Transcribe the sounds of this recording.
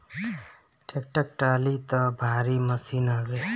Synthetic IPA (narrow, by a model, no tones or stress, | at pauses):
ʈʰek̚ʈək̚ʈalit̪ʌbʱaɾiməsinaɡe